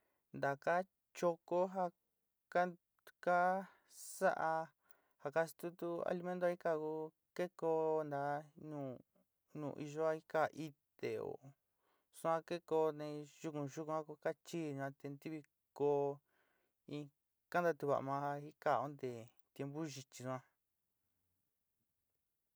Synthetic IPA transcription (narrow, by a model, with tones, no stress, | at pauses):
nd̪a˨ka˦ | t͡ʃo˧ko˦ɦa˧ | ka˦˧ | ka˦ | sa˦ʔa˧ | ha˧ka˦st̪u˦t̪u˦a̰˧li˧mẽ˦nt̪o˧˦i˦ka˧ku˧˦ | ke˦ko˧nd̪a˧nũː˨ | nṵ̃ː˨ʔi˧ʒo˦a˦i˦ka˧ʔi˦t̪e˨o̰˨ | sũ˦ã˧ke˦ko˧nẽ˧ʒu˧kũ˧ʒu˦kũ˧ã˦ku˧ka˦t͡ʃi˦˨ɲũ˧ã˧t̪e˧nd̪i˦βi˧ | ko˧ | ĩ˧ | ka˦nd̪a˧t̪u˧βa̰˧˨˧mã˧i˦ka˧˨o˦nd̪e˨ | t̪je˧mbu˦ʒi˧t͡ʃi˧sũ˧ã˧